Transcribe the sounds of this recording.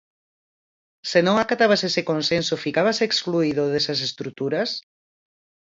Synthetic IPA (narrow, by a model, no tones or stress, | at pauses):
senõŋakat̪aβasesekonsensofikaβasekskluiðoðesas̬est̪ɾut̪uɾas